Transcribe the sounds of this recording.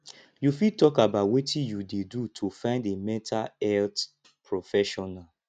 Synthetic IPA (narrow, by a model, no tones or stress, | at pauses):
jufitɔkabatwetʰĩjudedutʰufãɪ̃ndemɛ̃ntʰaɛlt | pʰɹɔfɛʃɔnal